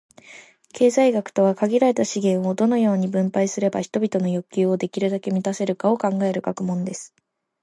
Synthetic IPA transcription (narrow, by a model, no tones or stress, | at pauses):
kʰe̞ːzaiɡakɯ̟̥t̪o̞β̞akaɡʲiɾaɾe̞t̪aɕiɡẽ̞ɰ̃o̞d̪o̞no̞jo̞ːɲ̟ibɯ̟̃mpaisɨɾe̞baçi̥t̪o̞bʲit̪o̞no̞jo̞kʲːɨːo̞d̪e̞kʲiɾɯ̟d̪ake̞mʲit̪ase̞ɾɯ̟kao̞kãŋɡae̞ɾɯ̟ɡakɯ̟mõ̞nd̪e̞sɨ̥